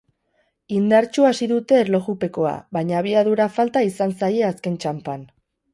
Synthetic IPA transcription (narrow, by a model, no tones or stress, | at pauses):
ind̪aɾt͡ʃuasiðut̪e̞ːɾlo̞ɣupe̞ko̞a̰βaɲaːβ̞iaðuɾafalt̪aisansaje̞aske̞nt͡ʃampan